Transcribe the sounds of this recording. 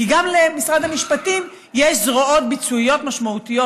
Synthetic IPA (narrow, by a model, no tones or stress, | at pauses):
kiɡamlemisʁad̪hamiʃpatim | jeʃzʁoo̞t̪̚bit͡suijo̞t̪maʃmaut̪ijo̞